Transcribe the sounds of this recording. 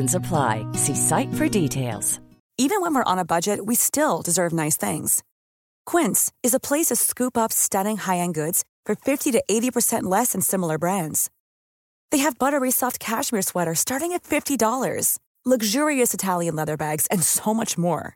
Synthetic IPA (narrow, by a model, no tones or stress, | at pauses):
n̩səpʰl̥a̰ɪsisaɪtfə˞ditʰeɪlˠz̥ | ivɨ̃nwə̃nwəɹʔə̰̃nəbʌd͡ʒɨt̚wistɪlˠdɨzɜ˞vnaɪsθɪ̰̃ŋz̥ | kʰw̥ɪ̃ntsɨzəpʰl̥eɪsʌv̥skʉpʌpstʌɾɪ̃ŋhaɪɨ̃nɡʊdz̥ | fə˞fɪftiɾɨʔeɪɾipʰə˞sɛ̃nʔlɛsɨ̃nsɪ̃ml̩ˠə˞bɹæ̃ndz̥ | ðeɪɨvbʌɾə˞ɹisɔft̚kʰæʃmiɹswɛɾə˞stɑɹɾɪ̃ŋɨtfɪftidɔlˠə̰˞z̥ | lʌɡʒʊɹiɨsɨtʰælˠjɨ̃nlɛðə˞bæɡz̥ɨ̃nsoʊmʌt͡ʃmɔ̰ɹ